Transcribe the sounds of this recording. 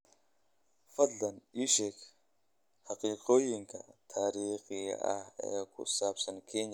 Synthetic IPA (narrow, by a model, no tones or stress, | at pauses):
fɐɮɐniʃekʲ | haqiːqoːjiŋkʰa̰tʰaːɾiːχḭa̰ḛkʷʰʼṵsaːpsɐnkʰeːɲ